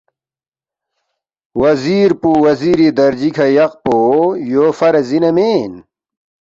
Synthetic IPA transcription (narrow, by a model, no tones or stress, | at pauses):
wɐziːɾpuwɐziɾid̪ɐɾd͡ʑikʰɐjɐq̚poːjoːfɐɾɐzinɐmeːn